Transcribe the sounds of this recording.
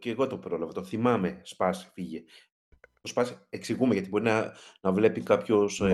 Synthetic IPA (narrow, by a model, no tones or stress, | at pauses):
ceːɣo̞t̪o̞pɾo̞lɐvɐt̪oθimɐme̞spɐsfiʝe | ospɐseksiɣumeʝɐt̪ibo̞ɾinɐnɐvle̞pikɐpço̞s